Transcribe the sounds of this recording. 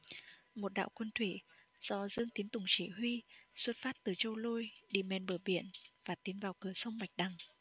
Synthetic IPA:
mo˨˩t̚ɗa̰ː˧˨wkwə˧nt̪ʰwḭ˧˩z̥ɔ˧˩zɨ˧əŋt̪i˨˦ənt̪ʊ˨˩ŋ͡mt͡ɕḭ˧˩ɦwi˧swə˦˥t̚faː˦˥t̚t̪ɨ˨˩t͡ɕə˧wlo˧jɗḭ˧˩mɛ˨˩nɓəː˧˩ɓi˧˨ənvaː˨˩t̪i˨˦ənvaː˨˩wkɨ˧˩əsə˧wŋ͡mma˨˩jk̟̚ɗa˨˩ŋ

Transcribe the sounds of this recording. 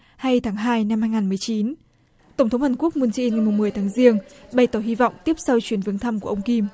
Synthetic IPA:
ha˧jt̪ʰaː˨˦ŋɦaː˧jna˧mhaː˧jŋaː˨˩nmɨ˨˩əjt͡ɕi˨˦n | t̪ə˧˩wŋ͡mt̪ʰə˨˦wŋ͡mhaː˨˩nku˦˥ək̚mu˧nt͡ɕi˧nŋa˨˩jm˨˩ŋ͡mmɨ˨˩əjt̪aː˨˦ŋzi˧əŋɓaə˧˩jt̪ɔː˧˩hi˧vɔ̰˧˨wŋ͡mt̪i˦˥əp̚sa˧wt͡ɕwi˨˦ənvɨ˨˦əŋt̪ʰa˧mku˧˩əʔə˧ŋ͡mki˧m

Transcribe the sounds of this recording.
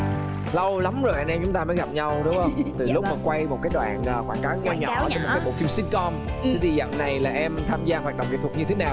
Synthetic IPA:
lə˧wla˨˦mzo˨˩jʔa˧˩nʔɛ˧mt͡ɕʊ˨˦ŋ͡mt̪aː˧məː˨˦jɣa˨˩p̚ɲa˧wɗʊ˦˥ŋ͡m̚hə˧wŋ͡mt̪ɨ˨˩lʊ˦˥k͡p̚məː˨˩kwa˧jmo˨˩t̚kaː˨˦jɗwa̰ː˧˨nəː˨˩kwaː˧˩nkaː˨˦wɲa˧ɲɔ̰˨˩wːmo˨˩kːɓo̰˧˨˩fi˧msi˦˥t̚kɔ˧mi˨˦ɗ̪i˨˩zə̰˧˨mna˨˩jlaː˨˩ʔɛ˧mt̪ʰaː˧mzaː˧ɦwaː˨˩ɗə˧˨wŋ͡mzə̰˨˩t̪̚ʰɲɨ˧t̪ʰe˨˦naː˨˩w

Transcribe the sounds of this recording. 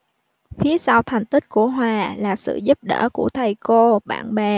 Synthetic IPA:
fi˨˦əsa˧wt̪ʰa˨˩jŋ̟t̪ï˦˥k̟̚ku˧˩əɦwaː˨˩laː˨˩sɨ̰˧˨zu˦˥p̚ɗə̰ː˧˩ku˧˩ət̪ʰa˨˩jko˧ɓa̰ː˧˨nɓɛ˨˩

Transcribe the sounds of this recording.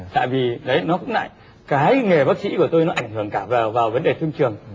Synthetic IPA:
t̪a̰ː˧˨jvi˨˩ɗə˨˦jnɔ˨˦kʊ̰˧˥ŋ͡mla̰ː˧˨j | kaː˨˦jŋe˨˩ɓaː˦˥k̚sḭ˧˥ku˧˩ət̪o˧jnɔ˨˦ʔa˧˩jŋ̟hɨ˧˩əŋkaː˧˩vaː˨˩vaː˨˩wvə˨˦nɗe˨˩t̪ʰɨ˧ŋt͡ɕɨ˨˩əŋ

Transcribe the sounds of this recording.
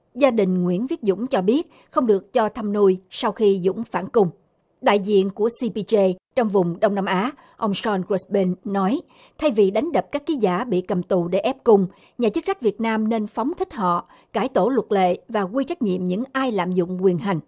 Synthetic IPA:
zaː˧ɗï˨˩ŋ̟ŋwḭ˧˥ənvi˦˥ət̚zʊ̰˧˥ŋ͡mt͡ɕɔ˧ɓi˦˥ət̚ | xə˧wŋ͡mɗɨ˨˩ək̚t͡ɕɔ˧t̪ʰa˧mnu˧jsa˧wxi˧zʊ̰˧˥ŋ͡mfaː˧˩nkʊ˧ŋ͡m | ɗa̰ː˧˨jzḭ˧˨ənku˧˩əsi˧pi˧t͡ɕe˧t͡ɕɔ˧wŋ͡mvʊ˨˩ŋ͡mɗə˧wŋ͡mna˧mʔaː˨˦ | ʔə˧wŋ͡msɔ˧nke˦˥sɓe˧nːɔ˨˦j | t̪ʰa˧jvi˨˩ɗa˨˦jŋ̟ɗə˨˩p̚kaː˦˥kːi˨˦zaː˧˩ɓḭ˧˨kə˨˩mt̪u˨˩ɗe˧˩ʔɛ˦˥p̚kʊ˧ŋ͡m | ɲaː˨˩t͡ɕɨ˦˥k̚sa˦˥k̚vi˨˩ət̚naː˧mne˧nfɔ˨˦wŋ͡mt̪ʰï˦˥k̟̚ɦɔ̰˧˨ | kaː˧˩jt̪o˧˩lwə˨˩t̚lḛ˧˨vaː˨˩ɣwi˧t͡ɕa˦˥jk̟̚ɲḭ˧˨əmɲɨ̰˧˥ŋʔaː˧jla̰ː˧˨mzʊ̰˧˨ŋ͡mkwi˨˩ənɦa˨˩jŋ̟

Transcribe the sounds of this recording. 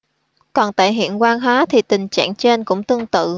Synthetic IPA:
kɔ˨˩nt̪a̰ː˧˨jɦḭ˧˨ənkwaː˧nɦaː˨˦t̪ʰi˨˩t̪ï˨˩ŋ̟t͡ɕa̰ː˧˨ŋt͡ɕe˧nkʊ̰˧˥ŋ͡mt̪ɨ˧əŋt̪ɨ̰˧˨

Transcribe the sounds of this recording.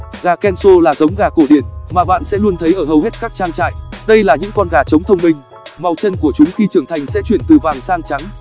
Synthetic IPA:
ɣaː˨˩kɛ˧nso˧laː˨˩zə˨˦wŋ͡mɣaː˨˩ku˧˩ɗi˧˩ənmaː˨˩ɓa̰ː˧˨nsɛ̰˧˥lu˧ənt̪ʰə˨˦jʔəː˧˩hə˨˩wɦe˦˥t̚kaː˦˥k̚t͡ɕaː˧ŋt͡ɕa̰ː˧˨jɗə˧jlaː˨˩ɲɨ̰˧˥ŋkɔ˧nɣaː˨˩t͡ɕə˨˦wŋ͡mt̪ʰə˧wŋ͡mmï˧ŋ̟ | ma˨˩wt͡ɕə˧nku˧˩ət͡ɕʊ˨˦ŋ͡mxi˧t͡ɕɨ˧˩əŋt̪ʰa˨˩jŋ̟sɛ̰˧˥t͡ɕwi˧˩ənt̪ɨ˨˩vaː˨˩ŋsaː˧ŋt͡ɕa˨˦ŋ

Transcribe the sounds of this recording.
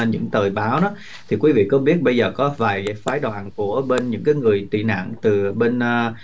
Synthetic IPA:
ɲɨ̰˧˥ŋt̪əː˨˩jɓaː˨˦wnɔ˨˦ | t̪ʰi˨˩kwi˨˦vḭ˧˨kɔ˨˦ɓi˦˥ət̚ɓə˧jzəː˨˩kɔ˨˦vaː˨˩jaː˨˦faː˨˦jɗwaː˨˩nku˧˩əɓe˧nɲɨ̰˧˥ŋkaː˨˦jŋɨ˨˩əjt̪ḭ˧˨na̰ː˧˨ŋt̪ɨ˨˩ɓe˧nː˧

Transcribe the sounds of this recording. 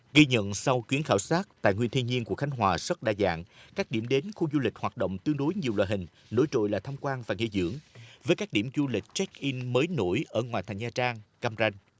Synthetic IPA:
ɣi˧ɲə̰˧˨nsa˧wkwi˨˦ənxaː˧˩wsaː˦˥t̚t̪a̰ː˧˨jŋwi˧ənt̪ʰi˧ənɲi˧ənku˧˩əkxa˨˦ŋ̟ɦwaː˨˩sə˦˥t̚ɗaː˧˩za̰ː˧˨ŋkaː˦˥k̚ɗi˧˩əmɗe˨˦nxu˧zu˧li˨˩k̟̚hwaː˨˩t̚ɗə̰˧˨wŋ͡mt̪ɨ˧əŋɗo˨˦jɲi˨˩əwla̰ː˧˨jɦï˨˩ŋ̟ | no˨˧˦jt͡ɕo̰˧˨jlaː˨˩t̪ʰa˧mkwaː˧nvaː˨˩ŋḭ˧˩əzɨ̰˧˥əŋvəː˨˦jkaː˦˥k̚ɗi˧˩mzu˧lï˨˩k̟̚t͡ɕɛ˦˥k̚ʔi˧nməː˨˦jno̰˧˩jʔəː˧˩ŋwaː˨˩t̪ʰŋ̟zaː˧t͡ɕaː˧ŋka˧mza˧jŋ̟

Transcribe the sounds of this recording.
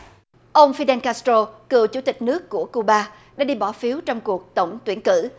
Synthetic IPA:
ʔə˧wŋ͡mfi˧ɗɛ˧nkaː˧st̪o˧kɨ̰˧˨əwt͡ɕu˧˩˦t̪ï˨˩k̟̚nɨ˦˥əkːu˧˩əku˧ɓaː˧ | ɗa̰ː˧˥ɗi˧ɓɔ˧˩fi˨˦wt͡ɕɔ˧wŋ͡mku˨˩ək̚t̪ə˧˩wŋ͡mt̪wi˧˩ənkɨ̰˧˨

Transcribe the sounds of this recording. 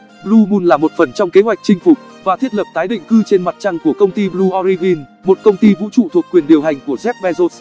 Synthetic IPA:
ɓlu˧ɓu˧nlaː˨˩mo˨˩t̚fə˨˩nt͡ɕɔ˧wŋ͡mke˨˦ɦwa˨˩jk̟̚t͡ɕï˧ŋ̟fʊ˨˩t̚vaː˨˩t̪ʰi˦˥ət̚lə˨˩p̚t̪aː˨˦jɗḭ̈˧˨ŋ̟kɨ˧t͡ɕe˧nma˨˩t̚t͡ɕa˧ŋku˧˩əkə˧wŋ͡mt̪i˧ɓlu˧ʔɔ˧ɾi˧vi˧n | mo˨˩t̚kə˧wŋ͡mt̪i˧vṵ˧˥t͡ɕṵ˧˨t̪ʰu˨˩əkːwi˨˩ənɗi˨˩əwɦa˨˩jŋ̟ku˧˩əzɛ˦˥p̚ɓɛ˧zo˦˥s

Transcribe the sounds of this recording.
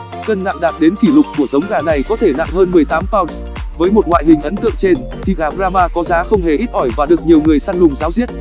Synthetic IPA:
kə˧nːa̰ː˧˨ŋɗaː˨˩t̚ɗe˨˦nki˧˩lʊ˨˩k͡p̚kːu˧˩əzə˨˦wŋ͡mɣaː˨˩na˨˩jkɔ˨˦t̪ʰe˧˩na̰˧˨ŋ͡mhəː˧nmɨ˨˩əjt̪aː˨˦mfaː˧wns | vəː˨˦jmo˨˩t̚ŋwa̰ː˧˨jɦï˨˩ŋ̟ʔə˨˦nt̪ɨ̰˧˨əŋt͡ɕe˧n | t̪ʰi˨˩ɣaː˨˩bzaː˧maː˧kɔ˨˦zaː˨˦xə˧wŋ͡mɦe˨˩ʔi˦˥t̚hɔ˧˩jvaː˨˩ɗɨ˨˩ək̚ɲi˨˩əwŋɨ˨˩əjsaː˧ŋlʊ˨˩ŋ͡mzaː˨˦wzi˦˥ət̚

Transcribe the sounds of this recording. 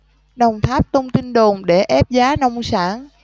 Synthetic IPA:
ɗə˨˩wŋ͡mt̪ʰaː˦˥p̚t̪ə˧wŋ͡mt̪i˧nɗo˨˩nɗe˧˩ʔɛ˦˥p̚zaː˨˦nɔ˧wŋ͡msaː˧˩n

